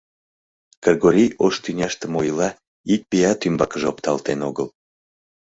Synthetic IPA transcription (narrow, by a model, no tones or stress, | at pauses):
kərɣoɾʲijoʃt̪ynʲɑʃt̪əmojlɑ | ik̚pijɑt̪ymbɑkəʒopt̪ɑlt̪enoɣəl